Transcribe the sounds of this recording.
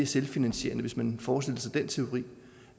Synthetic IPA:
ɐselfinænɕe̝̰ːɐnəʋe̝smænfɒːsd̥e̝l̰əsɑ̈ɪd̥ent͡sʰe̝o̝ʁḭː

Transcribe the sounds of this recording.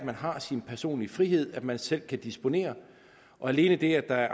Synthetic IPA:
mænɦɑ̈sinpʰæɐso̝̰ːnlifʁiɦe̝ð̞̰ˠæd̥mænsel̰kʰæd̥isb̥o̝ne̝̰ːɐ | ʔɒ̽æle̝ːnəd̥e̝æd̥ɑ̈æɐ

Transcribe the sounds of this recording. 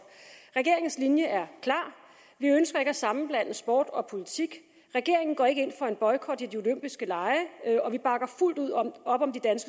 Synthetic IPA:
ʁɛɡ̥e̝ɐ̰eŋn̩slinjəʔæɐkʰlɑ̈ː | ʋiønsɡ̥ɐe̝ɡ̥əæsɑ̈mn̩b̥læn̰əsb̥ɔ̰ːd̥ɒ̽pʰo̝lit͡sʰiɡ̥ | ʁɛɡ̥e̝ɐ̰e̝ŋn̩ɡ̥ɒ̰ːe̝ɡ̥əe̝n̰fɒ̽e̝nb̥ɒ̽ɪkʰɒd̥id̥io̝løm̰b̥isɡ̥əlɑ̈ɪɒ̽ʋib̥ɑ̈ɡ̥ɐful̰d̥uð̰ˠɒ̽b̥ɒ̽md̥id̥ænsɡ̥ə

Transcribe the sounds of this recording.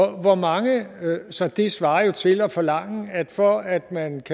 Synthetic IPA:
ʋɒmɑ̈ŋəsɒ̽d̥esʋɑ̈ːɐjo̝t͡sʰe̝lɒ̽fɒ̽lɑ̈ŋ̰æd̥fɒ̽æd̥mænkʰ

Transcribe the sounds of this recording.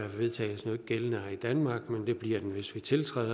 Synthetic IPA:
æʋe̝ðˠt͡sʰɛ̰ːɪsnɔ̽ːð̩ˠɡ̥elənəid̥ænmɑ̈ːɡ̥mend̥e̝b̥liɐ̰d̥enʋe̝sʋit͡sʰe̝lt͡sʰʁɛ̰ːð̰ˠ

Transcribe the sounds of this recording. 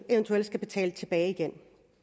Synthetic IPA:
eʋnt͡sʰuel̰d̥sɡ̥æb̥e̝t͡sʰɛ̰ːlət͡sʰe̝b̥ɛːɪiɡ̥en

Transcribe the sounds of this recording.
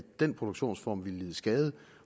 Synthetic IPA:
d̥en̰pʰʁo̝d̥oɡ̥ɕo̝̰ːnsfɒ̰mʋilliːðˠəsɡ̥ɛːðˠə

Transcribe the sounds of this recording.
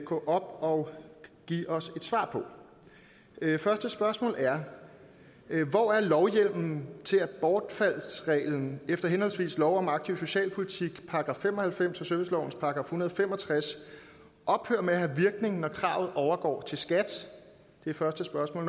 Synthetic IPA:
ɡ̥ɔ̰ʔɒ̽b̥ɒ̽ɡ̥ḭːʔɒ̽se̝d̥sʋɑ̈ːpʰɒ̽ | fɶɐsd̥əsb̥ɶɐsmɔ̰ːlæɐ | ʋɒæɐlɒʊjel̰mn̩t͡sʰe̝læ̥b̥ɒːd̥fæl̰sʁɛ̰ːln̩efd̥ɐɦenhɒ̽lsʋḭːslɒʊɒ̽mɑ̈ɡ̥̚t͡sʰiʊso̝ɕɛ̰ːlpʰolit͡sʰiɡ̥pʰɑ̈ɑɡ̥ʁɑ̈femɒ̽hælfem̰sɒ̽sœɐʋe̝slɒʊn̩spʰɑ̈ɑɡ̥ʁɑ̈fhunɐð̞̩ˠɒfem̰ɒ̽t͡sʰʁas | ʔɒ̽b̥høːɐmehæʋiɐɡ̥ne̝ŋn̩nɒkʰʁɑ̰̈ʊð̩ˠʔɒʊɐɡ̥ɒ̰ːt͡sʰe̝lsɡ̥æd̥ | d̥e̝æfɶɐsd̥əsb̥ɶɐsmɔ̰ːl

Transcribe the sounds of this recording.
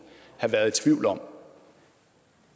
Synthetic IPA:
hɑ̈ʋæɐðˠe̥t͡sʰʋiʊ̰lɒ̽m̰

